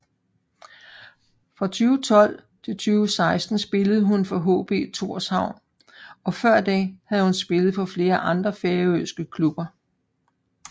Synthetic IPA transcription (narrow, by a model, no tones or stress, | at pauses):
fʁɑ̈t͡sʰyːʊt͡sʰɒ̽l̰ | t͡sʰe̝lt͡sʰyːʊsɑ̈ɪsd̥n̩sb̥e̝ləð̩ˠɦunfɒɦo̝̰ːb̥e̝̰t͡sʰo̝ɐ̰shɑ̈ʊ̰n | ɒ̽fɶɐ̰d̥ɛhæðˠhunsb̥e̝ləð̞̩ˠpʰɒ̽fle̝ːɐʔɑ̈nd̥ʁɐfeːɐøsɡ̥əkʰlub̥ɐ